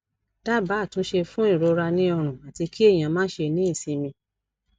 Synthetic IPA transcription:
ta˦˨ba˨˦˨tũ˨˦ʃe˧fũ˦i˦˨ɾo˨˦ɾa˧nĩ˦ɔ˧ɾ̃ũ˨a˨ti˧ki˦e˦˨j̃ã˨mãː˦ʃe˧nĩ˦˨sĩ˧˦mĩ˧

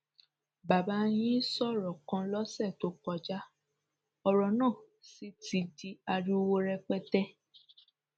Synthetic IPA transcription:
ba˨ba˨˧˦j̃ĩ˦sɔ˦˨ɾɔ˨kã˧lɔ˦sɛ˦˨to˨˦k͡pɔ˧d͡ʒa˦ | ɔ˧ɾɔ˨nã˦˨ | si˦ti˧di˧a˧ɾu˦o˧wo˧ɾɛ˧k͡pɛ˦tɛ˦

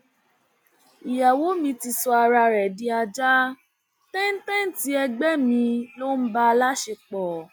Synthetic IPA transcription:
i˨ja˨wo˨˦mĩ˧ti˧sɔ˧a˧ɾa˧ɾɛ˨dĩ˧a˧d͡ʒa˦ | tɛ̃˦n̩˦tɛ̃˦n̩˦ti˨˦ɛ˧ɡ͡bɛ˦mĩ˧lo˦n̩˦ba˧la˦ʃe˧k͡pɔ˨

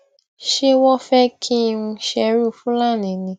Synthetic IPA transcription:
ʃe˦wɔ˦fɛ˦kʰi˦˧ũ˧ʃɛ˧ɾu˦˨fũ˦la˦˨nĩ˨nĩ˧

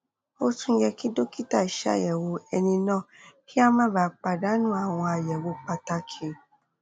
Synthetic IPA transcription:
o˦tũ˦˧˦d͡ʒɛ˧ki˦do˦ki˦ta˦˨i˨ʃa̰˦˨jɛ˨wo˧ɛ˧nĩ˧nãː˦˨kʰi˦a˦mãː˦˨ba˨˦k͡pa˧da˨˦nũ˦a˦˨w̃ɔ̃˧a˨jɛ˨wo˧˦k͡pa˧ta˧kʰe˨

